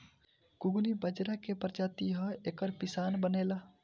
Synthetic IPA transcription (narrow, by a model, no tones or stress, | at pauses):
kʊɡnibəd͡ʒɾakepəɾd͡ʒaːt̪iɦəeːkəɾpɪsaːnbənela